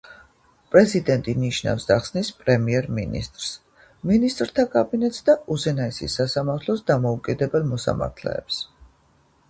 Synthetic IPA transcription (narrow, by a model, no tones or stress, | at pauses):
pʼɾɛzid̪ɛnt̪ʼiniʃna̰fsd̪aχsnispʼɾɛmiɛɾmḭnḭst̪ʼɾs | minist̪ʼɾt̪ʰakʼabinɛt̪ʼsd̪aʔuzɛnaisḭsasamaɾt̪ʰlˠɔsd̪amɔukʼid̪ɛbɛlˠmɔsa̰ma̰ɾt̪ʰlɛ̰ːps